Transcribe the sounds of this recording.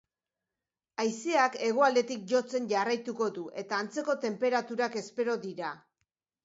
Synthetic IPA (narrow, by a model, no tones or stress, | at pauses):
ajseake̞ɣ̞o̞ald̪e̞t̪ik̚ʝo̞t͡se̞nʝarajt̪uko̞ðuʔe̞t̪aːnt͡se̞ko̞t̪e̞mpe̞ɾat̪uɾake̞spe̞ɾo̞ðiɾa